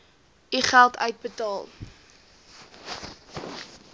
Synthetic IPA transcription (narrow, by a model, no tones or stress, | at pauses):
iχælˠtœ̰ɥt̚bətɑːlˠ